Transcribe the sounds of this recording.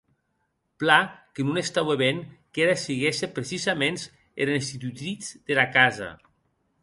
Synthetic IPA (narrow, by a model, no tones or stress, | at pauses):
plakenunest̪aweβenkeɾasiɣesepɾesizamens | ḛɾenst̪it̪yt̪ɾit͡sd̪elakaza̰